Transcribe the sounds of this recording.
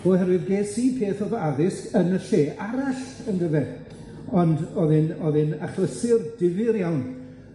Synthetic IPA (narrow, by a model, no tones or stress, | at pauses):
v̥oːhɛɾwɨðɡeːsipʰeːθɔðaðɪskənəɬeːʔaɾaɬənɡəvɛ | ɔndɔðɨnɔðɨnaχləsɪrdɪvɨɾjawn